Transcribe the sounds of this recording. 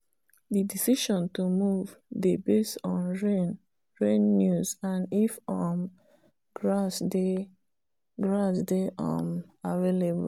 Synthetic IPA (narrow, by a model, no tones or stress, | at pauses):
didisiʃɔ̃ntumuvdebesɔ̃nɹen | ɹẽnːuzãnifɔm | ɡɹasde | ɡɹasdeʔɔ̰̃maveleb̰